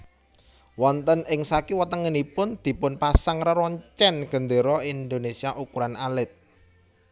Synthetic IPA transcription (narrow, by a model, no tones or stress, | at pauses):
wɔnt̪ənɪŋsakiwət̪əŋənipʊnd̪̥i̤pʊnpasaŋrəɾɔɲt͡ʃɛnɡ̥ə̤nd̪e̤ɾɔind̪onesiaʔukuɾanalɪt̪̚